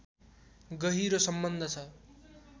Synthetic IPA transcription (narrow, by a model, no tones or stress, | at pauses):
ɡʌɦiɾosʌmbʌnd̪ʱʌt͡sʰʌ